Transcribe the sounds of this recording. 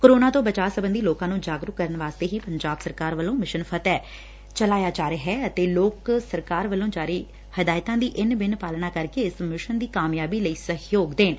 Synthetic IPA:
koːɾoːnaːt̪õːbət͡ʃaːsəbənd̪iːloːkãːnũːd͡ʒaːɡɾʊkkːəɾənʋaːst̪eːɦiːpəɲd͡ʒaːbsəɾkaːɾʋəlõːmɪʃənpʰət̪ɛː | t͡ʃəlaːjaːd͡ʒaːɾeːɦɛːət̪eːloːksəɾkaːɾʋəlõːd͡ʒaːɾiː | həd̪aːɪt̪ãːd̪iːʔɪnbɪnpaːlnaːkəɾkeːɪsmɪʃənd̪iːkaːmjaːbiːləiːsəɦjoːɡd̪eːn

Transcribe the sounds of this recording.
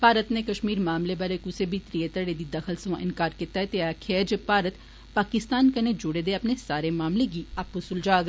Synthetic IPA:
paːɾət̪neːkəʃmiːɾmaːmlebaːɾekʊsebʱiːt̪ɾiet̪əɽed̪iːd̪əxʰəlsəʋã̰ːʔɪnkaːɾkɪt̪aɦɛt̪eaːkʰed͡ʒepaːɾət̪ | paːkɪst̪aːnkəned͡ʒʊɽeːd̪eːɐpnesaːɾemaːmleɡiːapːʊsʊld͡ʒaːɡ

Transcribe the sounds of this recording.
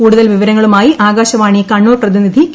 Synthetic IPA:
kuːɽuðɐlʋiʋɐɾɐŋːɐɭumaːjiʔaːɡaːɕɐʋaːɳijɐkɐɳːoːrprɐðinid̪ʱi

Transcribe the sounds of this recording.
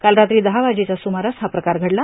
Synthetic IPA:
kalɾat̪ɾiːd̪əɦaʋad͡ʑet͡ɕasumaɾəsɦapɾəkaɾɡʱəɽla

